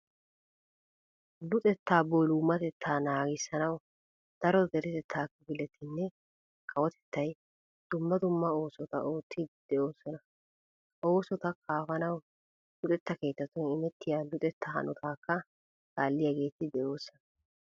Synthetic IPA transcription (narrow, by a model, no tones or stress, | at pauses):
lʊt̪ʼɛt̪ːaːbolʊmːɐt̪ɛt̪ʰːaːnaːɡɪsːɐnɐw | d̪̥ɐɾɔd̪ɛɾɪt̪ɛt̪ʰːaːkːɐbɪlɛt̪ʰːɪnːɛ | kʰɐwɔt̪ʰɛ̥t̪ʰːɐj | d̪̥ʊmːɐd̪ʊmːɐo̞ːsɔt̪ɐ̰ʔo̞ːt̪ʰːɪd̪̥ɛʔo̞ːsːɔnɐ | ʔo̞ːsɔt̪ɐkʰaːfɐnɐw | lʊt̪ʼɛt̪ːɐke̞ːt̪ːɐt̪ːɔnɪmɛt̪ːɪjaːlʊt̪ʼɛt̪ːɐɦɐ̰nʊt̪ʰaːkːɐ | ɡ̥aːlːɪjaːɡe̞ːt̪ːɪd̪ɛʔo̞ːsːɔnɐ